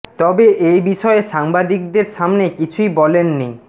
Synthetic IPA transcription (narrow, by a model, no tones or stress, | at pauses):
t̪ɔbeʔejbiʃɔeʃaŋbad̪ik̚d̪eɾʃamnekit͡ɕʰujbɔlenːi